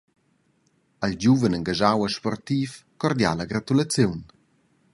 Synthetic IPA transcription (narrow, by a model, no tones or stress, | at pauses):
ald͡ʑuvənəŋɡaʒawəʃpɔrt̪ifkɔrd̪ja̰laɡɾat̪ulat͡sjuwn